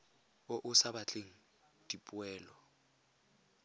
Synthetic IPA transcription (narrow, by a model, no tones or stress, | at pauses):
oʔʊsabat͡ɬʼeŋ̩ | d̥ipʼwɛːlɔ